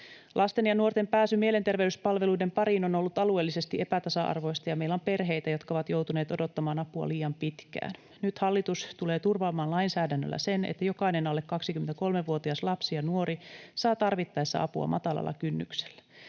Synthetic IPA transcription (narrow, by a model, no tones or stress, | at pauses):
lʔɑst̪e̞njɑnuo̞rt̪e̞mpæːsymielent̪e̞rʋeyspɑlʋe̞luide̞mpɑɾiːno̞no̞lːut̪ɑlue̞ːlːise̞st̪iʔe̞pæt̪ɑsɑʔɑ̰rʋo̞jst̪ɑjɑmeilːæompe̞rɦe̞jt̪æjo̞t̪kɑo̞ʋɑt̪jo̞wt̪une̞ːt̪o̞do̞t̪ːɑmɑːnɑpuɑ̰liːjɑmpit̪kæ̰ːn | nyt̪hɑlːit̪ust̪ule̞ːt̪urʋɑːmɑːnlɑinsæːdænːølːæ̰se̞nḛt̪ːæjo̞kɑinenɑlːekːɑksikymːent̪æko̞lmeʋuot̪iɑslɑpsijɑnuoɾisɑːt̪ɑrʋit̪ːɑesːɑ̰ɑ̰puɑ̰mʔɑ̰t̪ɑlɑ̰lːɑ̰kynːy̰kse̥lːæ̥